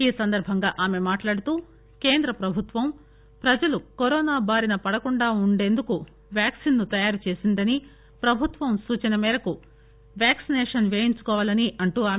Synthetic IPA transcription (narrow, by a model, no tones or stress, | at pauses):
iːsɐnd̪ɐɾbʱɐŋɡaːʔaːme̞maːʈlaːɽut̪uː | ke̞ːnd̪ɾɐpɾɐbʱut̪ʋɐm | pɾɐd͡ʒɐlukoɾɔːnaːbaːɾinɐpɐɽɐkuɳɖaːuɳɖe̞ːnd̪uku | ʋjaːksinːut̪ɐjaːɾut͡ʃe̞ːsind̪ɐni | pɾɐbʱut̪ʋɐmsuːt͡ʃɐnɐmɛːɾɐku | ʋjaːksineːʂɐnʋeːjiɲt͡ʃu̥kɔːʋaːlɐniʔɐɳʈuːaːm